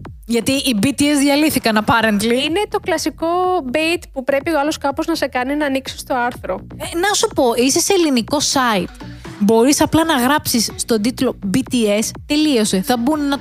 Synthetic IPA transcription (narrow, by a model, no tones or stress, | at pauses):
ʝɐt̪iibit̪iezðʝɐliθikɐnɐpɐɾend̪liinet̪o̞klɐsiko̞bejt̪pupɾe̞pioɐloskɐpoznɐse̞kɐninɐːniksi̥st̪o̞ɐɾθɾo̞enɐsupo̞ʔiseseliniko̞sɐit̪bo̞ɾisɐplɐnɐɣɾɐpsisːt̪o̞d̪it̪lo̞bit̪ie̞st̪e̞lio̞seθɐbunnɐ